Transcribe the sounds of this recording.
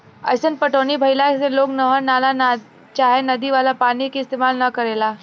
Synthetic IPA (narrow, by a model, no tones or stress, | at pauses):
ə̰sənpəʈoniːbʱəjlaseloknəɦənalana | t͡ɕaɦenəd̪iʋalapañikiːst̪emalnəkəɾela